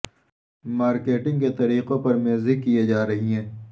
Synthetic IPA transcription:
maːɾkeːʈɪ̃ŋɡket̪ɐɾiːqõpɐɾmeːzikːijed͡ʒaːɾɐɦiɦɛ̃ː

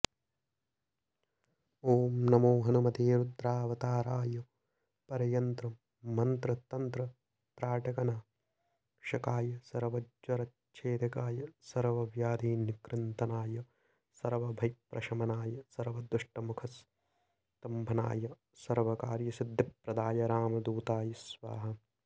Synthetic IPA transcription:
oːmnɐmoːɦɐnumɐt̪eːɾud̪ɾaːʋɐt̪aːɾaːjɐ | pɐɾɐjɐnt̪ɾɐmː | ɐnt̪ɾɐt̪ɐnt̪ɾɐ | p̪ɾaːʈɐkɐnaː | ʃɐkaːjɐsɐɾʋɐd͡ʒʋɐɾɐt | ʃʰeːd̪ɐkaːjɐsɐɾʋɐʋjaːd̪iːnikɾɪnt̪ɐnaːjɐ | sɐɾʋɐbʱɐjpɾʔɐʃɐmɐnaːjɐsɐɾʋɐd̪ɾuʂʈɐmukʰɐs | t̪ɐmbʱɐna̰ːjɐ | sɐɾʋɐkaːɾjɐsid̪ʱːipɾɐd̪aːjɐɾaːmɐd̪uːt̪aːjɐsʋa̰ːɦɐ̆

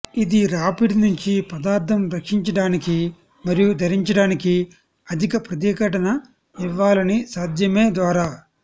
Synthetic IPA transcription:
id̪iɾaːpiɽnuɲt͡ʃipɐd̪aːɾt̪ʰɐmɾɐkʂiɲt͡ʃɐɽaːniki | mɐɾijud̪ʱɐɾiɲt͡ʃɐɽaːniki | ɐd̪ʱikɐpɾɐt̪̬ikɐʈɐnɐ | iʋːaːlɐnisaːd̪ʱjɐme̞ːd̪ʋaːɾaː

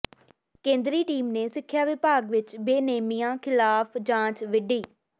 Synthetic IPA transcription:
kẽːnd̪ɾiːʈiːmneːsɪkʰːjaːʋɪpaːɡʋɪt͡ʃbeːneːmijãːkʰɪlaːpʰd͡ʒãːt͡ʃʋɪɖiː

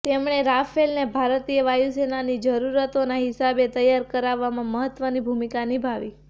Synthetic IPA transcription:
t̪emɳ̃eɾafelnebʱaɾt̪ijəʋajusenanid͡ʒəɾuɾət̪onaɦɪsabet̪əjaɾkəɾaʋːamãməɦət̪ʋənibʱumikanibʱaʋi

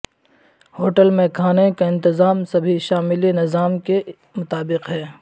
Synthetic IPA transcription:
hoːʈəlmẽkʰaːnekaɪ̃nt̪ɪzaːmsɐbʱiʃaːmɪlinɪzaːmke | mʊt̪aːbɪqɦɛː

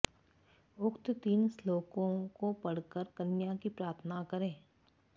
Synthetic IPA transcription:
ʊkt̪t̪iːnsloːkõkopɐɽ̤kəɾkɐnjakipɾaːɾt̪ʰənakɐɾẽː

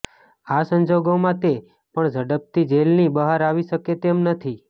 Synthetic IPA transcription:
asəɲd͡ʒoɡomãt̪e | pəɳd͡ʒʱəɽəp̚t̪id͡ʒelnibəɦaɾaʋiʃəket̪emnət̪ʰi

